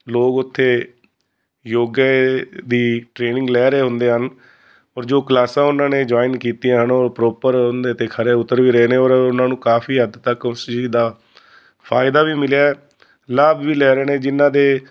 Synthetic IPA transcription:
loːɡʊt̪ʰːeː | joːɡed̪iːʈɾeːnɪ̃ŋɡlɛːɾeːɦʊ̃nd̪eːɦən | ɔːɾd͡ʒoːkəlaːsãːʊnãːneːd͡ʒaːɪnkiːt̪ijãːɦənɔːɾpɾoːpəɾɦʊnd̪eːt̪eːkʰəɾeːʊt̪ːəɾʋiːɾeeːneːɔːɾʊnãːnũːkaːpʰiːɦəd̪t̪əkʊsd͡ʒiːd̪aː | pʰaːɪd̪aːʋiːmɪlejaːɛː | laːbʋiːlɛːɾeːneːd͡ʒɪnːãːd̪eː

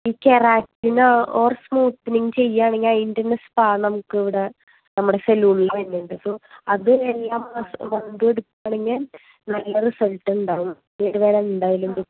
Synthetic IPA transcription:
iːkeraːk̚ʈːinoːrsmuːt̪ːniŋt͡ɕe̞jːaːɳeŋɡilindɐrnespaːnɐmukːɨeʋiɽe | nɐmːuɽe̞seluuɳilɐenːuɳɖɨɐpoɐðɨelːaːmɐsʋɐnd̪ueɽuk̪ːaːɳeŋːil | nɐlːɐrisɐlʈːɨuɳɖaːɣum | eɾuʋeːɾɐmend̪aːjilumd̪u

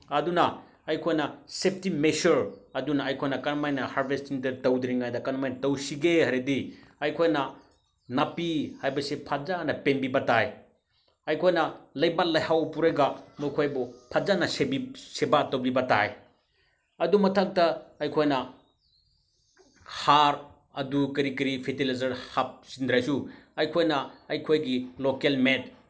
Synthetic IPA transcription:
ɐdunɐ | ɐjkʰojnɐsep̚timesuɾɐdunɐɐjkʰojnɐkɐnmajnɐhaɾbʱestinteɾtɐwdɾiŋɡajdɐkanmajnɐtɐwsiɡehɐɾediɐjkʰojnɐ | nɐpihajbɐsipʰazanɐpenbibɐtaj | ɐjkʰojnɐlɐjbalɐjhawpuɾɐɡamujkʰojbupʰazanɐsebisebatɐwlibɐta̰j | ɐdumɐtʰak̚tɐɐjkʰojnɐ | haɾ | ɐdukɐɾikɐɾipʰetilajzɐɾhap̚sind̪ɾajsuɐjkʰojnɐɐjkʰojɡilokelmet̚

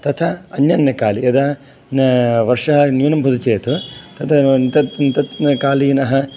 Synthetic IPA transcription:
t̪ɐt̪ʰɐɐnjɐnjɐkaːliɐd̪ɐ | nʋɐɾʂɐɦɐnjuːnɐmbʱud̪ut͡ʃeːt̪ut̪ɐt̪ʰɐnt̪ɐt̪nt̪ɐt̪nɐkaːlijnɐɦɐ̆

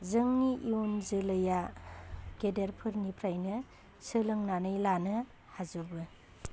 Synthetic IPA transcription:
zɯŋniʔionzɯlɯja | ɡedeɾpʰɯɾnipʰɾajnɯ | sɯlɯŋnanɯjlanɯ | hazubɯ

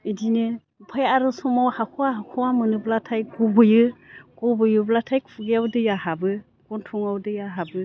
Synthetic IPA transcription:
idinɯ | pʰajaɾɯsɔmawhakʰɔwaɦakʰɔwamɯnɯblatʰajɡɔbɯjɯɡ̥ɔbɯjɯblatʰajkfʰɯɡjawdɯjaɦabɯ | ɡ̥ɔntʰuŋawdɯjaɦabɯ

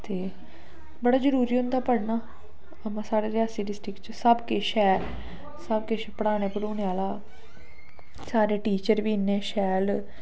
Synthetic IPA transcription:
t̪eː | bəɽaːd͡ʒəɾuːɾiːɦʊ̃nd̪aːpəɽnaː | əmãːsaːɽeːɾɪaːsiːɖɪsʈɪkt͡ʃsəbkeʃɛː | səb̚keʃpəɽaːneːpəɽuːneaːlaː | saːɾeːʈiːt͡ʃəɾʋiːnːeːʃɛːl

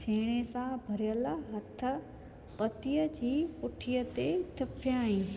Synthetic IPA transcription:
t͡ɕʰeːɽ̃esãbʱɐɾjəlɦɐt̪ʰə̆ | pɐt̪ijəd͡ʑiːpʊʈʰijət̪et̪ʰɪpʰjaːĩː

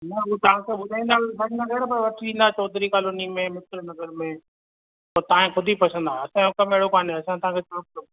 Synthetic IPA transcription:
nɐʊt̪ɐʋãkʰeɓʊd̪ʱaːĩːnd̪aːbʱɐɲnaɡɛːɾpɐɾʋɐʈʰĩːnd̪aːt͡ɕɔːd̪ʱɾikaːlonimẽmɪsɾnɐɡəɾmẽ | oːt̪ɐãẽxʊd̪ʱipɐt͡ʃʰə̃nd̪aːɦɐsãokɐmeːɽ̤okaːneɐsãt̪ɐ̤ãːkʰet͡ʃɔɾploː

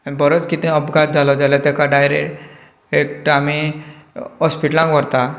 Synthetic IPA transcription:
anibəɾot͡skit̪ɛ̃əbɡʱat̪̚d͡zʱalɔd͡ʑalat̪ɛkaɖajɾeʈ | ekʈami | ɔspiʈlãŋkʋəɽt̪a

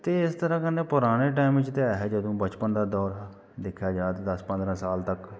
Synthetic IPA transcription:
t̪eːɪst̪əɾãːkəneːpʊɾaːɽ̃eːʈ̬aːɪmʋɪt͡ʃt̪eɦɛːd͡ʒəd̪õːbət͡ʃpənd̪aːd̪ɔːɾ | d̪ɪkʰjaːd͡ʒaːt̪d̪əspə̃nd̪ɾãːsaːlt̪ək

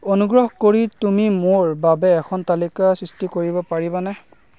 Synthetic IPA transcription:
onuɡɹɔhkoɹitumimoɹbabɛːkʰɔntalikasɹistikoɹibɔpaɹibanɛ

